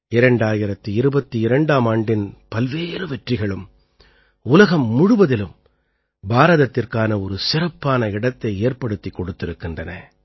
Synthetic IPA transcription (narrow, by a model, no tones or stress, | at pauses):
ɪɾɐɳɖaːjɪɾɐt̪ːɯɪɾɯbɐt̪ːiɪɾɐɳɖaːmaːɳɖɪnpɐlʋeːɾɯʋɛʈrɪɣɐɭɯm | ʊlɐɣɐmːʊɽʊʋɐðɪlɯm | baːɾɐðɐt̪ːɪrkaːnɐɔɾɯsɪɾɐpːaːnɐɪɽɐt̪ːɐɪeːrpɐɽɯt̪ːikːɔɽɯt̪ːɪɾɯkːɪndrɐnɐ